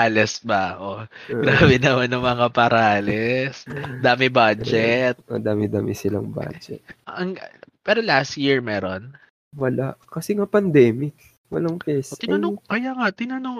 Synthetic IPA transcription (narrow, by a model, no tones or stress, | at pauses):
alɛsbɐʔoɡɾaːbɛnɐmanːɐŋmɐŋapɐɾalɛsd̪aːmɪbad͡ʒd͡ʒɛt̪̚mɐ̰d̪aːmɪd̪aːmɪsɪla̰ŋba̰d͡ʒɛ̰t̪̚ɐŋpɛːɾolast̪jiɹmɛːɾon | wɐlaʔkɐsɛŋapɐnd̪ɛːmɪk̚ | wɐlaŋpɛsʔɪɐɐokɐjaŋat̪ɪnɐnoŋ